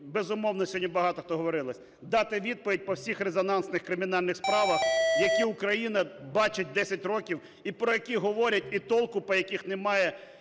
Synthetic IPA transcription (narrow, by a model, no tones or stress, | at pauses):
bezʊmɔwn̪ɔsʲɦɔdʲnʲibɐɦɑt̪ɔxt̪ɔɦɔʋɔɾɪlˠɐsʲ | d̪ɑt̪ɪʋʲid̪̚pɔʋʲit̚ʲpɔwsʲixrezɔnɑnsnɪxkɾɪmʲɪn̪ɑlʲnɪxspɾɑʋɐxjɐkʲiʊkɾɐjinɐbɑt͡ʃɪt̚ʲd̪ɛsʲɐtʲrɔkʲiw | ipɾɔjɐkʲiɦɔʋɔɾʲɐtʲit̪ɔlˠkʊpɔjɐkʲixnemɑjɛ